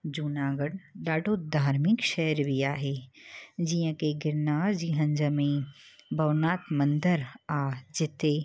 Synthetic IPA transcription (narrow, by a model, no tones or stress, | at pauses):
d͡ʒunaːɡəɽɖaːɖoːd̪ʱaːɾmɪkʃɛəɾʋiaːɦe | d͡ʒijə̃keɡɪɾnaːɾd͡ʒiɦɐ̃ɲd͡ʒəmẽbʱɐʋnaːt̪mə̃nd̪əɾaːd͡ʒɪt̪e